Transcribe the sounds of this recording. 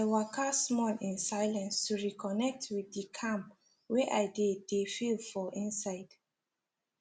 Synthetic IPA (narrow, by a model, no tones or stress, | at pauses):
əwakʰasmɔlĩnsaɪlãnstuɹikʰɔnɛk̚tʰwiθdikʰãmp | wɛʔaɪdedefilfɔʔĩnsaɪd̥